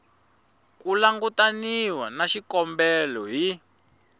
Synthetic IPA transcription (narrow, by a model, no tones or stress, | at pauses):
kulaŋɡutaniwanaʃikɔmbɛlɔɦi